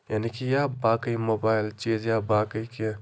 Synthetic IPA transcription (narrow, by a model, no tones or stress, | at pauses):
jaːnikijabaːkəjmoːbaɪlt͡ʃeːd͡ʒjabakəjke